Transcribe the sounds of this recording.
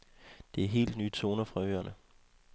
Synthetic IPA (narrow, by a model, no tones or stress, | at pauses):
d̥e̝æɐɦe̝̰ːld̥nyːt͡sʰo̝ːnɐfʁɑ̈ø̰ːɐnʔə